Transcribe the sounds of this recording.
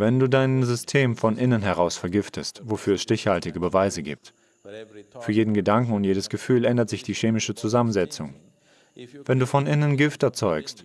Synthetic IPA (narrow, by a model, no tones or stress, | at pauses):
vɛnduːdaɪnzʏstʰeːmfɔnʔɪnənɦɛʁ̞aʊsfɛɐɡɪftʰəstvofyːɐɛsʃtɪçhaltɪɡəbəvaɪzəɡḭːp̚t | fyːɐjeːdn̩ɡədaŋkŋ̩ʊntjeːdəsɡ̥əfyːlʔɛndɐtz̥ɪçd̥iːʃeːmɪʃət͡suzamənzɛt͡sʊŋ | vɛnduːfɔnʔɪnənɡɪftɛɐt͡sɔʏkst